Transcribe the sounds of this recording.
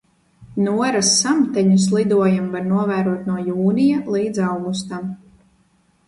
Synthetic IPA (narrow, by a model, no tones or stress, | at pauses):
nuɔɾasːamt̪ɛɲuslˠid̪uɔjamvaɾnuɔvæːɾuɔt̪nuɔjuːnijalˠiːd̪zawɡust̪am